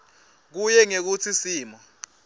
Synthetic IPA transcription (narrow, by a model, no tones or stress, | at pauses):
k̬ujɛŋek̬ut͡sʰisiːmɔ